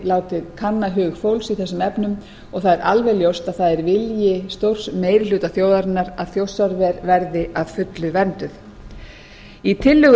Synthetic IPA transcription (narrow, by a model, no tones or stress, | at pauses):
laːwt̪ɪðkʰanːaɦʏːɣfowlsiθɛsːʏmɛpnʏm | ɔɣθaðɛɾʔalvɛljowst̪aðθaðɛɾvɪljɪst̪owr̥smeːjɾɪlʏːt̪aθjoːwðaɾɪnːaɾaðθjowsːaɾvɛɾvɛɾðɪaðfʏt̪lʏvɛnt̪ʏð | it̪ʰɪlːʏɣ